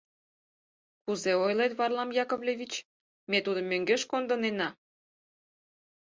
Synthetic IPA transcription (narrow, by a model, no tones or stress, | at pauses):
kuzeojlet̪βɑrlɑmjɑkoβlʲeβʲit͡ɕ | met̪ud̪ə̆møŋɡeʃkond̪ənenɑ